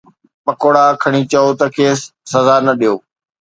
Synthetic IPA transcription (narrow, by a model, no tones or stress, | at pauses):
pɐkoɽaːkʰɐɽ̃it͡ɕɐot̪ɐkʰeːsːɐzanɐɗijoː